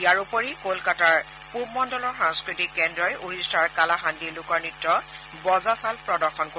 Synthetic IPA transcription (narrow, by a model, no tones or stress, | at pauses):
ijaɹupoɹikolkataɹ | pub̚mɔndɔlɔɹxãŋskɹitikːɛndɹɔjʔuɹistaɹkalaɦandiɹlʊkɔɹnitːɔ | bɔzasalpɹɔdɔɹxɔnko